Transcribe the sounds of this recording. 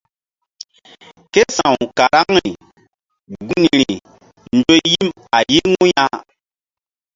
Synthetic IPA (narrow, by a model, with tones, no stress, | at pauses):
ke˦sã˨wka˨ɾa˦ŋɾi˨ | ɡu˦ŋi˨ɾi˨ | n̩˦d͡ʒo˦ji˦m | a˨ji˦ŋu˦ja˦